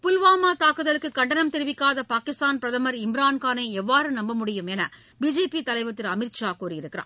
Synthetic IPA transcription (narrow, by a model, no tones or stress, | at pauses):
pʊlʋaːmaːt̪aːkɯðɐlɯkːɯkːɐɳɖɐnɐmt̪ɛɾɯʋɪkːaːðɐpaːkɪst̪aːnpɪɾɐðɐmɐɾɪmɪɾaːnkaːnɐɪɛʋːaːɾɯnɐmbɐmʊɽɪjɯmɛnɐ | biːd͡ʒeːpit̪ɐlɐɪʋɐt̪ːɪɾɐmɪɾʃaːkuːɾijɪɾɯkːɪɾa̰ː